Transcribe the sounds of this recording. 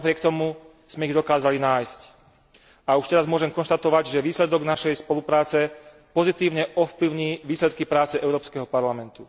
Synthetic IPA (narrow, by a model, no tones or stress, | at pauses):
napɾɪɛk̚t̪ɔmu | z̥mɛiɣd̪ɔkaːzalinaːjsc | auʃt̪ɛɾazmʊɔʒɛmkɔnʃt̪at̪ɔʋaɟʒɛʋiːslɛd̪ɔɡnaʃɛjspɔlupɾaːt͡sɛ | pɔzit̪iːʊɲɛʔɔfpliʊɲiːʋiːslɛt̪̚kipɾaːt͡sɛɛʊɾɔːpskɛɦɔpaɾlamɛnt̪u